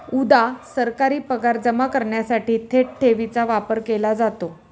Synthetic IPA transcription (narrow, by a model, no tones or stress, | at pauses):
ud̪asəɾkaɾiːpəɡaɾd͡zəmakəɾɳjasaʈiːt̪ʰeʈ̚ʈʰeʋit͡saʋapəɾkelad͡zat̪o